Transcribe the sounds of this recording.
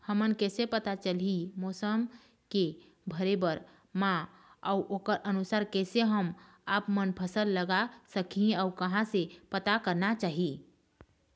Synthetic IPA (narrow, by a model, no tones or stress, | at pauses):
həmənkɛsepət̪at͡ʃəlimosəm | ke | bʱəɾebəɾ | mã | ə̰uʔokəɾənusaɾkɛseɦəm | apmənpʰəsəlːəɡasəkʰĩaukəɦãsepət̪akəɾnat͡ʃaɦi